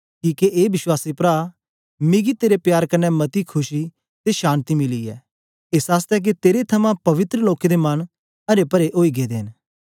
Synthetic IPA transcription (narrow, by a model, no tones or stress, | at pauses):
kiːkeʔeːbɪswaːsipɾaː | mɪɡit̪eːɾepjaːɾkɐnːɛmɐt̪ikʰʊʃi | t̪eʃãːnt̪imɪliɛː | ɪsaːst̪ɛk̬it̪eːɾet̪ʰɐmãpɐʋɪt̪ɾəloːked̪emɐn | ɐɾepɐɾeʔoːiɡeːd̪eːɦɪn